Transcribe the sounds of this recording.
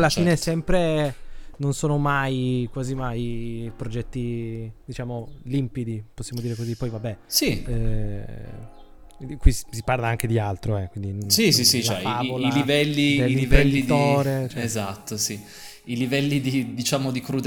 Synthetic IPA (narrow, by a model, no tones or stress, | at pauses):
lːafiːnesɛmpɾe | nonsoːnomajkwaːzimajpɾod͡ʒɛt̪ːid̪̥it͡ʃaːmolimpid̪iposːjaːmod̪iːɾekozipːɔjvabːɛsi | kwissiparlaaŋk̟ed̪ialt̪ɾoɛkːwind̪insis̬isit͡ʃlaɛ̰iavolailivɛlːield̪ivpɾend̪itd̪oːɾet͡ʃɛɛezat̪ːosi | ilivɛlːid̪id̪it͡ʃaːmod̪ikɾud̪